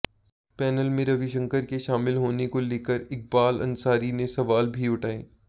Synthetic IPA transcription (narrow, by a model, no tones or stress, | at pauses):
pɛːnəlmẽɾɐʋɪʃə̃ŋkəɾkeʃaːmɪlɦoːnekoleːkəɾɪk̚baːlɐ̰̃nsaːɾinẽsɐʋaːlbʱiʊʈʰaːẽː